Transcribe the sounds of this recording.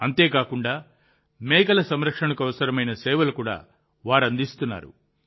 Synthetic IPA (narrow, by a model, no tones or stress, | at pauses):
ɐnt̪e̞ːkaːkuɳɖaː | meːkɐlɐsɐmɾɐkʂɐɳɐkuɐʋɐsɐɾɐmɐjnɐsɛːʋɐlukuːɽa̰ː | ʋaːɾɐnd̪ist̪unːa̰ːɾṵ